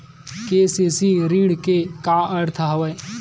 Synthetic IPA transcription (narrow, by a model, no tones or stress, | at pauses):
keːseːsiɾiːɽkekaɐɾt̪ʰəɦɐʋəj